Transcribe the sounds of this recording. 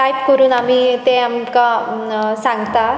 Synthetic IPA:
ajpkəɾuːnam̤it̪eamka | sãŋɡt̪a

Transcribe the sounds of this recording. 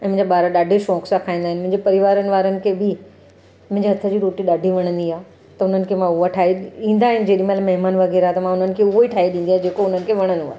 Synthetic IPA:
ɛ̃ːmʊ̃ɪ̃ɲd͡ʑaɓaːɾaɗaːɖʱeʃɔ̃ːksakʰaːĩnd̪aɦɪn̆mʊ̃ɪ̃ɲd͡ʑepɐɾɪʋaːɾənɪ̆ʋaːɾənɪ̆kʰeːbɪ | mʊ̃ɦɪ̃ɲd͡ʑeɦɐt̪ʰəd͡ʑiːɾoːʈiɗaːɖʱiʋɐɽ̃ə̃nd̪iaː | t̪ɐʊn̤ənɪ̆kʰeːmãʊɦaʈʰaːiɗĩːnd̪aːɦɪnɪ̆d͡ʑeːɗimalamɐɦɪmaːnʋɐɣɛːɾat̪ɐmãʊn̤ənɪ̆kʰeʊɦoiʈʰaːiɗĩːn̆d̪iaɦed͡ʑeːkoʊn̤ənɪ̆kʰeʋɐɽ̃ənua̰ɦ

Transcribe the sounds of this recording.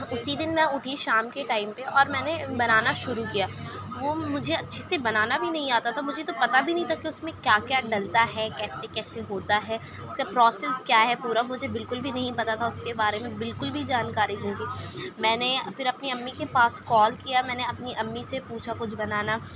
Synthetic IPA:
ʊsid̪ɪnmɛ̃ʊʈʰiʃaːmkeʈaːɪmpeʔɔːɾmɛːnebɐnaːnaʃʊɾukijaː | ʋoːmʊd͡ʒʱeɐtːʃʰesebɐnaːnabʱinɐɦĩaːt̪at̪ʰamʊd͡ʒʱet̪opɐt̪abʱinɐɦĩt̪ʰakiʊsmẽkjaːkjaːɖɐlt̪aɦɛkɛːsekɛːseɦoːt̪aɦɛː | ʊskapɾɔːsɛskjaːɦɛpuːɾamʊd͡ʒʱebɪlkʊlbʱinɐɦĩpɐt̪at̪ʰaʊskebaːɾemẽbɪlkʊlbʱid͡ʒaːnkaːɾiɦũːɡiːmɛ̃ːnefɪɾɐpniɐmːikepaːskɔːlkijamɛ̃ːneɐpniʔɐmːisepuːt͡ʃʰakʊt͡ʃʰbɐnaːna

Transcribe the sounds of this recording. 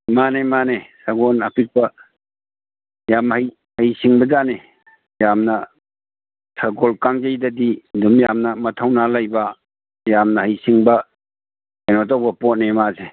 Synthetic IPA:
manemanesaɡonɐpik̚pɐ | jamhaj | hajsiŋbɐdane | jamnɐ | tʰaɡolkaŋd͡ʒajdɐdidumjamnɐmɐtʰawnalajbɐ | jamnɐhajsiŋbɐ | enɔtawbɐpɔt̚nemase

